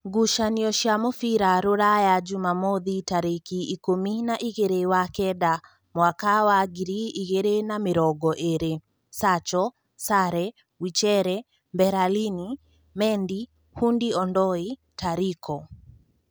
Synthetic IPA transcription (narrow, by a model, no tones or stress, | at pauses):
ɡuʃaniɔʃjamofiɾaɾoɾajad͡ʒumamɔðitaɾekiːkominaʔiɣeɾewakɛda | mwakawaɡiɾiʔiɣeɾenamɪɾɔɡɔʔeɾe | sat͡ʃɔ | saɾɛ | wit͡ʃɛɾɛ | mbɛɾalini | mɛndi | hundiɔndɔi | tʰaɾikʰɔ